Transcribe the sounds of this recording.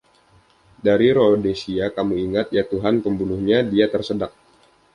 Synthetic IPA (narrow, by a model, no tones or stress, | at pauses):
daɾiɾodesiakamuiŋat̪̚jat̪uɦanpəmbunuhɲadiat̪ərsədak̚